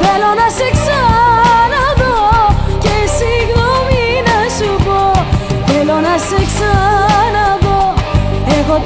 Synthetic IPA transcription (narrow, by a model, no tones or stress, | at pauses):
θelonɐseksanɐðocesiɣnominɐsupoθelonɐseksanaðo | eɣo